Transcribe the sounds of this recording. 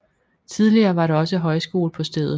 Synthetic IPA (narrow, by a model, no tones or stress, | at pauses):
t͡sʰið̞ˠliɐːʋɑ̈ɾeɒ̽səɦɒ̽ɪsɡ̥o̝̰ːlpʰɒ̽sd̥eðˠð̩ˠ